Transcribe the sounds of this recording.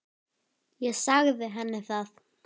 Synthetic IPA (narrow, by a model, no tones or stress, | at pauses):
jɛɣsaɣðɪɦɛnːɪθaθ